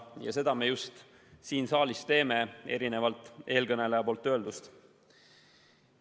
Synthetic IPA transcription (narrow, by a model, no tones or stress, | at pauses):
jɑ̰se̞d̪̥ɑme̞just̪ | siːnsɑːlist̪e̞ːme̞e̞̰ɾine̞vɑlt̪ːˑe̞ːlkɤne̞lejɑpo̞ːlt̪ˑːø̞ːld̪ust̪